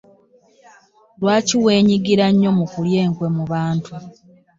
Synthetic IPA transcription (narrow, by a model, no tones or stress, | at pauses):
lwaːciwe̞ːɲiɡiɾaɲːo̞mukulje̞ːŋkwe̞muβaːntʰu